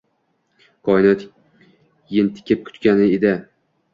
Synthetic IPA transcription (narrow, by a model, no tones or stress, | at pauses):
kʰɒɪnɒt̪ | jɪnt̪ʰɪ̥kʲʰɪp̚kʲʰʊ̥t̪kʲanɪed̪ɪ